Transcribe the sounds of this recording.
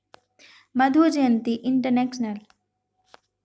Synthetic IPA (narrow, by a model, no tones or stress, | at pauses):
mɐd̪ʱud͡ʒjənt̪iʔɪɳʈəɾnekʃnəl